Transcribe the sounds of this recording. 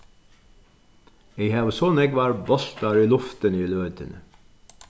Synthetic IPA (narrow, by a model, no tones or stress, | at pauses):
ehɑːʋəsɔnɛɡʋæːɾbɔst̪ɑɾiːlʊft̪əniːløːd̪ə̰nə